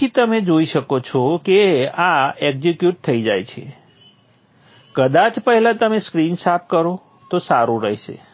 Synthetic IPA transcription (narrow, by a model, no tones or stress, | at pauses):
it̪əmed͡ʒoiʃəkot͡ʃʰɔkeaeɡzikjuʈ̚t̪ʰəid͡ʒajt͡ʃʰḛ | kəd̪at͡ʃpəɦɛlãt̪əmeskɾinsap̚kəɾo | t̪osaɾũɾəɦʃḛ